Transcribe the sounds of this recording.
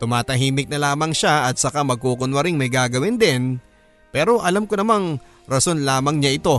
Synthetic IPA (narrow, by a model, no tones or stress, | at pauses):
t̪ʊmaːt̪ɐɦiːmɪk̚nɐlaːmɐŋʃaɐt̪̚sɐkamɐɡ̚kuːkʊnwɐɾɪŋmɐjɡaːɡɐwɪnd̪ɪn | pɛːɾo̞ʔɐlamkonɐmaŋ | ɾɐso̞nlaːmɐŋɲaʔɪt̪o̞